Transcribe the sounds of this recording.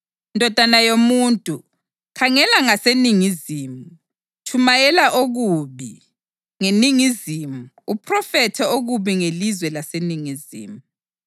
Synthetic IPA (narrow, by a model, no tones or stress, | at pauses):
ndʱɔd̥ʱanajomuntʼu | kʰaŋɛlaŋaseniŋiziːmu | tʰumajɛlaʔoɣuβi | ŋeniŋizimu | upʰrɔfɛtʰɛoɣuβiŋelizwɛlaseniŋizḭːmu